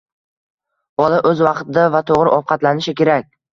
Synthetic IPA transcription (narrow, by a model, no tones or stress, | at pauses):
bɒlˠɪʔɵzvɑqt̪ɪd̪avat̪ʰoʁɾɪʔɒw̚qʰɑt̪lanɪʃɪkʲe̞ɾakʲ